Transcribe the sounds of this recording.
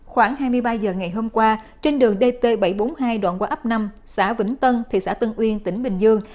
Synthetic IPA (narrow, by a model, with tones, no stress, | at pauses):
xwaː˧˩ŋhaː˧jmɨ˧əjɓaː˧zəː˨˩ŋa˨˩jɦo˧mkwaː˧ | t͡ɕe˧nɗɨ˨˩əŋɗe˧t̪e˧ɓa˧˩jɓo˨˦nhaː˧jɗwa̰ː˧˨nkwaː˧˦ʔə˦˥p̚na˧m | saː˧˥vɨ̰˧˥ŋt̪ə˧nt̪ʰḭ˨˩saː˧˥t̪ə˧nʔwi˧ənt̪ï˧˩ŋ̟ɓï˨˩ŋ̟zɨ˧əŋ